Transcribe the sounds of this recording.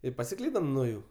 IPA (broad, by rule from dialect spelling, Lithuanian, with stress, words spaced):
ɪ pɐsʲɪˈklʲiːdɐm nuɔ ˈjuː